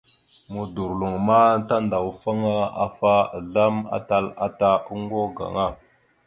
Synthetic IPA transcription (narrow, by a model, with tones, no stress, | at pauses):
mu˨du˨ɾlu˨ŋma˦ta˦nda˨wfa˦ŋa˦a̰˨fa˦˨ɮa˦ma̰˦ta˦la̰˦ta˦u˦ŋɡo˦ɡa̰˨ŋa˦˨